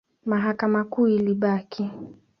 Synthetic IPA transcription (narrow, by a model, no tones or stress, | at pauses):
maɦakamakuːiliɓakʰi